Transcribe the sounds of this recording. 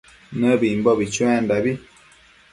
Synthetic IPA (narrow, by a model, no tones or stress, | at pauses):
nəbimbɔbit͡ʃwɛ̃ndabi